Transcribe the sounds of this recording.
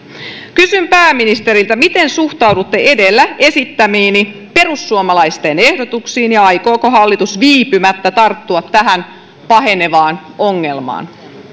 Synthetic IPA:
kysympæːmːinist̪e̞ɾilt̪æmit̪e̞nsuht̪ɑwdut̪ːe̞ʔe̞delːæe̞sit̪ːæmiːni | pe̞rusːuomɑlɑjst̪e̞ne̞hdot̪uksiːnjɑɑjko̞ːkoɦɑlːit̪usʋiːpymæt̪ːæt̪ɑrt̪ːuɑt̪ːæɦæn | pɑɦe̞ne̞ʋɑːnoŋːe̞lmɑ̰ːn

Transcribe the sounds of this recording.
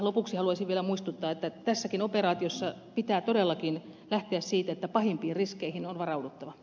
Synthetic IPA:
lopuˑksihɑluɑsiʋʋielæmuist̪ut̪ːɑːet̪ːæt̪æsːækinoperɑːt̪iosːɑ | pit̪æːt̪odelːɑkinlæht̪eæssiːt̪æet̪ːæpɑhimpiːrriskeihinonʋɑrɑudut̪ːɑʋɑ

